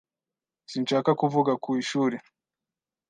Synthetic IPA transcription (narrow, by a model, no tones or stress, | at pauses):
sinʃaːkakuvuɡakuiʃuːɾe